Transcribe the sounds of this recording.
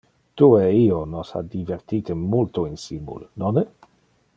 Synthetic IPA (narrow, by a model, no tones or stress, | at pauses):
t̪ueionosa̰d̪iveɾt̪it̪emult̪oinsimṵlnone